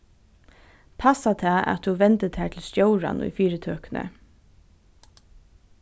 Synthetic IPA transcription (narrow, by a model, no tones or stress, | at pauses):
pʰasat̪ʰɑːa̰t̪huʋɛnt̪ət̪ʰæːt̪ʰl̩st̪joʊɹa̰nʊ̰jfiːɾət̪ʰøːknə̰